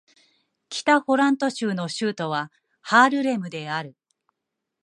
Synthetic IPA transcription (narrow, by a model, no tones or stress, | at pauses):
kʲi̥t̪aho̞ɾãnt̪o̞ɕɨːno̞ɕɨːt̪o̞βa | haːɾɯ̟ɾe̞mɯ̟d̪e̞aɾɯ̟